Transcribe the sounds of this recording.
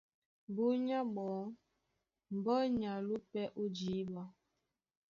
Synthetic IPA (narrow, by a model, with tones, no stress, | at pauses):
bu˦ɲa˦ɡ͡bɔ˨˦ | m̩˨bɔ˦ɲa˨lu˦pɛ˦ʔu˦d͡ʒi˨˦ba˦